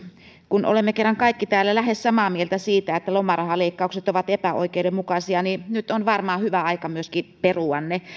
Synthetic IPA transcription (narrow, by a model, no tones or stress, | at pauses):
kuno̰lemːekerːɑŋkɑikːit̪æːlːælæhessɑmɑmielt̪æsiːt̪æet̪ːælomɑrɑhɑleikːɑukset̪oʋɑt̪epæo̰ikeudemmukɑsiɑninyt̪onʋɑrmɑːhyʋæɑikɑmyøskiperuɑnːe